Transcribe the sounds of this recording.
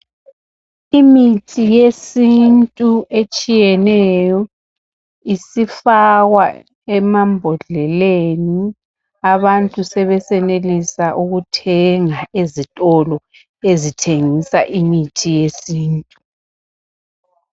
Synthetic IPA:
imitʰijesintʼuet͡ʃʼijɛnɛjɔ | isifaɣwa | ɛmambʱɔɮɛleni | aβantʼusɛβɛsɛnelisaʔuɣutʰɛŋaezitʼɔlɔ | ezitʰeŋisaʔimitʰijesiːntʼu

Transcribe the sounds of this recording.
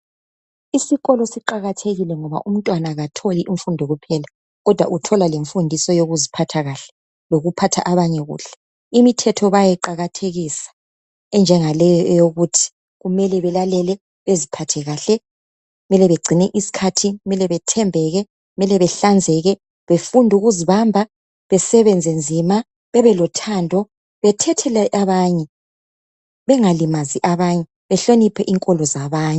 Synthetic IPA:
isiɣɔlɔsiǃaɣatʰeɣilɛŋɔβa̰ʔum̩ntʼwanaɣatʰoliʔiɱfundʱɔɣupʰɛla | ɣɔd̥ʱwa̰ʔutʰɔlaleɱfundʱisɔjoɣuzipʰatʰaɣaɬɛ̥ | loɣupʰatʰa̰ʔaβaɲɛɣṵːɬɛ̥ | imitʰɛtʰɔβajɛǃaɣatʰeɣisḁ | ɛnd͡ʒʱɛŋalɛjɔɛjoɣutʰi̥ | ɣumɛlɛβɛlalɛlɛ | βezipʰatʰɛɣaːɬɛ | ɣɣumɛlɛβeɡ͡ǀʱinɛʔisi̥kʰatʰiumɛlɛβɛtʰɛmbʱɛɣɛ | ɣumɛlɛβɛɬand͡zʱɛɣɛ | βefundʱuɣuziβambʱa | βɛsɛβɛnd͡zʱɛnd͡zʱima | βɛβɛlɔtʰandʱɔ | βɛtʰɛtʰɛlɛʔaβaːɲɛ | βɛŋalimaziʔaβaɲɛ | βɛɬonipʰɛʔiŋkʼɔlɔzaβaːɲɛ

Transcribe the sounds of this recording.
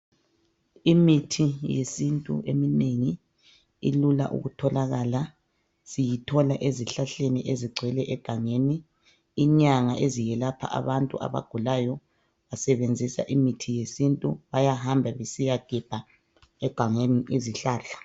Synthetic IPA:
imitʰijesintʼṵʔemineŋi | ḭlula̰ʔṵɣutʰɔlaɣala | sijitʰɔlaʔeziɬaɬeniʔeziɡ͡ǀʱwɛlɛʔɛɡ̥ʱaŋeːniː | ɲaŋaʔezijɛlapʰa̰ʔa̰βantʼṵʔa̰βa̰ɡ̥ʱulajɔ | βasɛβend͡zʱisa̰ʔimitʰijesintʼuβajahambʱaβesijaɡ̥ʱib̥ʱa | ɛɡ̥ʱaŋeniʔeziɬaːɬḁ

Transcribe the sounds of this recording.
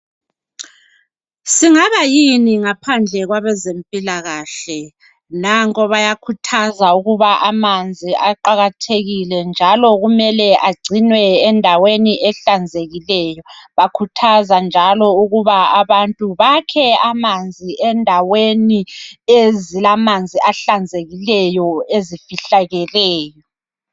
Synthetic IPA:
siŋaβajiniŋapʰand͡ɮʱɛɣwaβɛzempʼilaɣaːɬɛ | naŋkʼɔβajakʰutʰazauɣuβaʔamand͡zʱiaǃaɣatʰeɣilɛnd͡ʒʱalɔɣumɛlɛʔaɡ͡ǀʱinwɛːndʱaweniʔɛɬand͡zʱeɣilɛːjɔβakʰutʰazand͡ʒʱalɔuɣuβaaβantʼuβakʰɛamand͡zʱiʔɛndʱaweniezilamand͡zʱiʔaɬand͡zʱeɣilɛjɔezifiɬaɣɛlɛːjɔ

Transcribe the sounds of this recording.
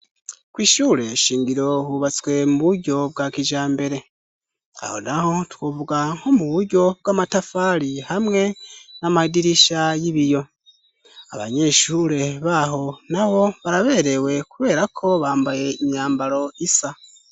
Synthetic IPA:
kwiːʃuɾe̞ʃiːŋɡiɾo̞huβat͡swe̞muβuɾɟo̞bɡakiʒaːmbe̞ɾe̞ | a̰ho̰naho̞twoβuɡaŋho̞muβuɾɟo̞b̚ɡwamatafaɾihamŋe̞namaidiɾiʃajiβijo̞ | aβa̰ɲe̞ʃuɾe̞βaɦo̞naβo̞βaɾaβe̞ːɾe̞we̞kuβe̞ːɾakʰo̞βaːmbaje̞iɲaːmbaɾo̞isa

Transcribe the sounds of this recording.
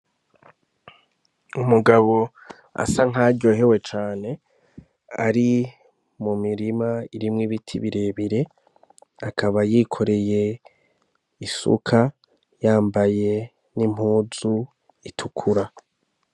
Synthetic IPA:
umuɡaβo̞ | a̰saŋ̥aːɟɟoɦe̞we̞t͡ʃaːne̞ | a̰ɾi | mumiɾimaiɾimŋiβitʰḭβiɾe̞βiɾe̞ | akʰaβajikʰo̞ɾe̞je̞ | isṵkʰa | jaːmbaje̞ | nim̥huːzu | itʰukʰuɾa

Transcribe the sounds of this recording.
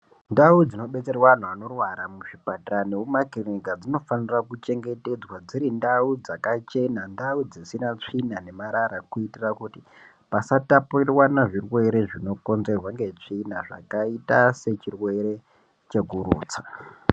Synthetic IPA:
ndaud͡zino̞ɓe̞t͡se̞rwan̤uano̞rwaɾamuʐipataneumakiriɡad͡zino̞fanirakut͡ʃe̞ŋɡe̞te̞d͡zwad͡ziɾindaud͡zakat͡ʃe̞nandaud͡zisinat͡ʂinane̞maɾaɾakuitirakuti | pasatapurirwanaʐirwe̞ɾe̞ʐino̞ko̞nze̞rwaŋɡe̞t͡ʂinaʐa̰kaitase̞t͡ʃirwe̞ɾe̞ | t͡ʃe̞ɡuɾṵːt͡sḁ

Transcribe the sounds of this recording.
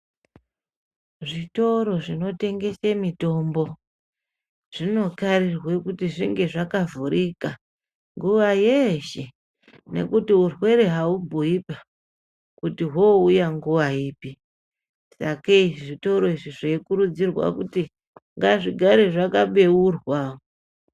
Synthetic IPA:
ʐito̞ɾo̞ʐino̞te̞ŋɡe̞semito̞mbo̞ | ʐ̥ino̞karirwekutiʐiŋɡe̞ʐakavuɾika | ŋɡuʋajeʃe | ne̞̰kutiurwe̞ɾeɦaubʱuipa | kutiɦoujaŋɡuʋaiːpi | sakaiʐiʐito̞ɾo̞iʐiʐeikuɾud͡zirwa̰kuti | ŋɡaʐiɡʱaɾe̞ʐakaɓe̞urwao

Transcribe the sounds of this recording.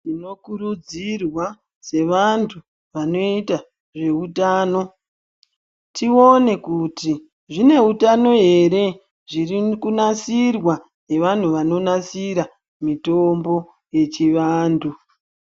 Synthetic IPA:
ino̞kuɾud͡zirwa | se̞ʋantʰu | ʋano̞ita | ʐe̞utaːno̞ | tio̞ne̞kuti | ʐine̞utano̞ɦe̞ɾe̞ | ʐirikunasirwa | ne̞ʋan̤uʋano̞nasiɾa | mitombo̞ | je̞t͡ʃiʋaːndu

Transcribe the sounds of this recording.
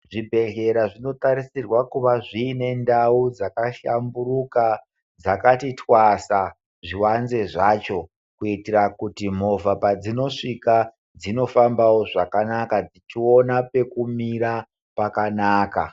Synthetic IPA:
ʐibʱe̞ɮe̞ɾaʐino̞taɾisirwakuʋaʐiːne̞ndaud͡zakaʃamburuka | d͡zakatitwasa | ʐiwanze̞ʐaːt͡ʃo̞ | kuitirakutim̤o̞vapad͡zino̞ʂika | d͡zino̞fambawo̞ʐakanakad͡zit͡ʃio̞nape̞kumiɾa | pakanaːka

